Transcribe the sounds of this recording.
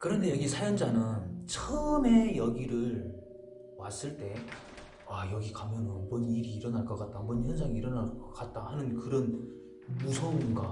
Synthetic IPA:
kɯɾʌnde̞jʌɡisʰajʌnd͡ʑanɯnt͡ɕʰʌme̞jʌɡiɾɯɭ | was͈ɯɭt͈e̞ | wajʌɡikamjʌnɯbʌniɾiːɾʌnaɭk͈ʌk͈at̚t͈amʌnçjʌnsʰaŋiiɾʌnaɭkʌk͈at̚t͈ahanɯnkɯɾʌn | musʰʌinɡa

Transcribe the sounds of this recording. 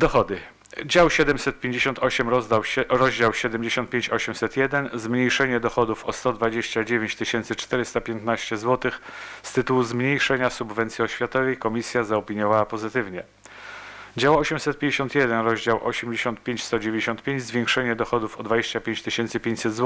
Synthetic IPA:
d̪ɔxɔd̪ɘ | d͡ʑawɕɛd̪ɛmsɛt̪̚pʲjeɲd͡ʑeɕɔnt̪ɔɕɛmɾɔzd̪awɾɔʑd͡ʑawɕɛd̪ɛmʲd͡ʑeɕɔnt̪̚pʲeɲt͡ɕɔɕɛmsɛt̪jɛd̪ɛnzmɲejʂɛɲɛd̪ɔxɔd̪ufɔst̪ɔd̪vad͡ʑeɕt͡ɕad͡ʑevʲeɲt͡ɕt̪ɘɕɛnt̪sɘt͡ʂt̪ɛɾɘst̪apʲjɛnt̪naɕt͡ɕɛzwɔt̪ɘxst̪ɘt̪uwuzmɲejʂɛɲasubvɛnt̪sʲiɔɕfʲjat̪ɔvɛjkɔmʲisʲjazaɔpʲiɲɔvawapɔzɘt̪ɘvɲɛ | d͡ʑawɔɕɛmsɛt̪̚pʲẽɲd͡ʑeɕɔ̃nt̪jɛd̪ɛnɾɔʑd͡ʑawʔɔ̰ɕɛmd͡ʑeɕɔnt̪pʲjeɲt͡ɕst̪ɔd͡ʑevʲẽɲd͡ʑeɕɔnt̪̚pʲjeɲd͡ʑzvʲjɛ̃ŋkʂɛɲɛd̪ɔxɔd̪ufɔd̪vad͡ʑeɕt͡ɕapʲeɲt͡ɕt̪ɘɕɛnt̪sɘpʲeɲt͡ɕʲsɛd̪zwɔ

